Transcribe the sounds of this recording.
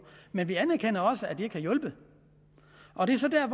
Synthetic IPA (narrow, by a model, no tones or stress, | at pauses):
menʋiænæɐkʰen̰ɐɒ̽səæd̥ie̝ɡ̥kʰæjɔ̽lb̥ə | ʔɒ̽d̥e̝æɐsɒ̽d̥æɐf